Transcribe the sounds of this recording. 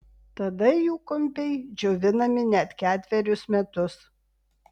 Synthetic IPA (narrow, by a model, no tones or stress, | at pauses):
t̪ɐd̪ɐjuːkɔmʲpʲɛɪd͡ʒʲɛʊʋʲɪnɐmʲɪnʲɛt̪kʲæːt̪ʲʋʲɛɾʲʊsmʲɛt̪ʊs